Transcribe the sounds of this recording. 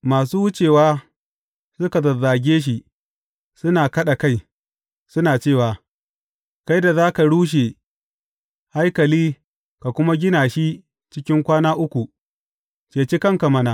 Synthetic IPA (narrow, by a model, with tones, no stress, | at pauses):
maː˨s̬uː˦wʊ˦t͡ʃeː˨waː˦ | sʊ˦ka˨zɐ˨zaː˨ɡʲeː˦ʃ̬i˦ | sʊ˦naː˨kɐ˦ɗa˨ka˦j | sʊ˦naː˨t͡ʃeː˦˨waː˨ | ka˦jda˨zaː˦ka˨ɽuː˦ʃ̬e˨ | ha˦jkɐ˨liː˦ | ka˨kʷʊ˦ma˦ɡʲɪ˦naː˨ʃi˦ | t͡ʃɪ˦kʲɪ˦ŋkʷaː˦naː˦ʔʊ˦kʷu˨ | kʲeː˨t͡ʃe˦kɐ˦˨ŋka˨mɐ˦naː˨